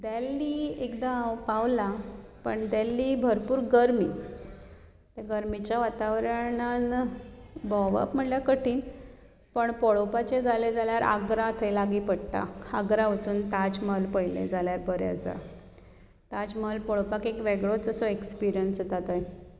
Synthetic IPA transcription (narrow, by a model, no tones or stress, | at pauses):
d̪alːiːekd̪apaʋlapəɳd̪alːiːbʱəɾpuːɾɡəɾmḭ | t̪eɡəɾmit͡ɕjaʋat̪aʋɾəɳan | bɔʋa̰pm̤əɳljakəʈʰiːn | pəɳpɔɭopat͡ɕed͡zʱaled͡zaljaɾa̰ɡɾat̪ʰelaɡiːpəɽt̪a̰əɡɾaʋət͡suːnt̪ad͡ʑməlpəjlḛd͡zaljaɾbʱəɾja̰d͡za̰ | t̪ad͡ʑməlpɔɭopakekʋeɡɭod͡zəsɔekspiɾjənsət̪at̪aj